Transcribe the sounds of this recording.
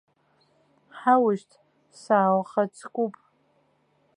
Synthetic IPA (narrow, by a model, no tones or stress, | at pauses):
ħawʊʃtʰ | saːwχat͡sʰʼkʷʼupʼ